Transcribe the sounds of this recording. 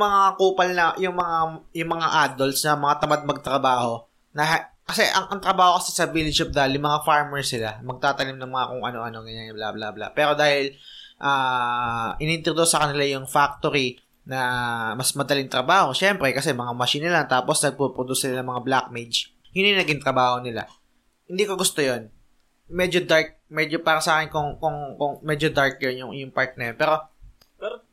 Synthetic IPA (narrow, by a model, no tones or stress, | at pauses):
mɐŋakuːpɐlnɐjʊŋmɐŋajʊŋmɐŋaʔajd̪olt̪snɐmɐŋat̪ɐmad̪̚mɐɡ̚t̪ɾɐbaːho̞ | nɐ | kɐsɛʔɐŋʔɐŋt̪ɾɐbaːho̞kɐsɛsɐbilɪd͡ʒop̚d̪aːhɪljʊŋmɐŋafaɹmɛɹsɪlamɐɡ̚t̪aːt̪ɐnɪmnɐŋmɐŋakʊŋʔɐno̞ʔɐno̞ɡɐɲanbla̰bla̰bla̰pɛːɾo̞d̪aːhɪlʔaː | ʔɪnɪɪnt̪ɾod̪usɐkɐnɪlajʊŋfak̚t̪oɾi | nɐmɐsmɐd̪ɐlɪŋt̪ɾɐbaːho̞ʃɛmpɾɛkɐsɛmɐŋamɐʃiːnɐlaŋt̪aːposnɐɡ̚pɾopɾod̪usnɪlanɐŋmɐŋablak̚med͡ʒ | jʊnjʊnɐɡɪŋt̪ɾɐbaːho̞nɪla̰ | hɪnd̪iːkoɡʊst̪ojon | mɛd͡ʒod̪aɹk̚mɛd͡ʒopaːɾɐsɐʔaːkɪnkʊŋkʊŋkʊŋmɛd͡ʒod̪aɹk̚jonjʊŋjʊŋpaɹt̪̚nɐjonpɛːɾo̞ | pɛ